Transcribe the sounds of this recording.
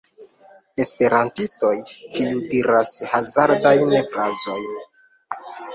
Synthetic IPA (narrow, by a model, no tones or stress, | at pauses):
e̞spe̞ɾantisto̞jtiudiɾashazaɾdajnefɾazo̞j